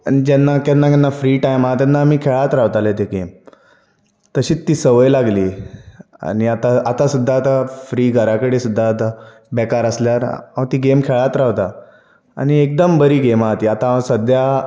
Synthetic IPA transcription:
a̰ñid͡ʑɛnːakɛnːakɛnːafɾiːʈajmat̪jɛnːaːmiːkʰeɭat̪ɾaʋt̪alet̪eɡem | t̪əɕiːt͡st̪ːiːsəʋəjlaɡliː | a̰ñiat̪aat̪asud̪ʱːaːt̪afɾiːɡʱəɾakəɽesud̪ʱːaːt̪a | bɛkaɾəsljaɾ̰at̪iːɡemkʰeɭat̪ɾaʋt̪a | a̰ɽ̃iek̚d̪əmbəɾiːɡemat̪iːat̪asəd̪ʱja

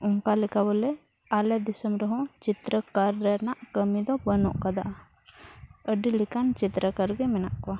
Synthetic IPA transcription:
ʊnkalikabəlɛ | aled̪isəmɾəɦɔ̃t͡ʃit̪ɾəkəɾːɛnaʔkəmid̪ɔbənɔ̰̃ʔkəd̪aʔ | əɖilikant͡ʃit̪ɾəkəɾɡɛmɛnaʔka

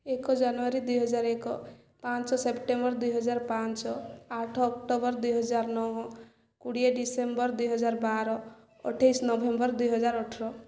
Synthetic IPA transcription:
ekɔd͡ʒanʋaɾid̪ujɦəd͡ʒaːɾekɔ | pãːnt͡ʃɔsepʈẽmbəɾd̪ujɦəd͡ʒaːɾpãt͡ʃɔaʈʰɔɔkʈobəɾd̪ujɦəd͡ʒaːɾnɔɦ | kuɽijeɖisembəɾd̪ujɦəd͡ʒaːɾbaɾɔ | ə̰ʈʰːəjsnɔbʱembəɾd̪ujɦəd͡ʒaːɾɔʈʰɾɔ

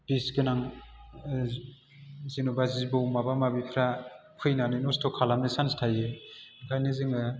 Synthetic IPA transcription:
b̥isɡɯnaŋ | zinubazibɯwmabamabipʰɾa | kʰɯjnanɯjnɔstʰɔkʰalamesanstʰajɯkʰajnɯzɯŋɯ

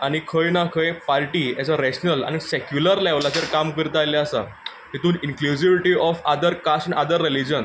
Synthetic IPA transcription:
aɽ̃ikʰəjnakʰəjpaɾʈiːat͡səɾeɕnəla̰nisekjuləɾlɛʋlat͡seɾkamkəɾt̪ajlaasa̰ | ɦit̪uːninklud͡ʑiʋiʈiɔfad̪əɾkasnʔad̪əɾːelid͡ʑən

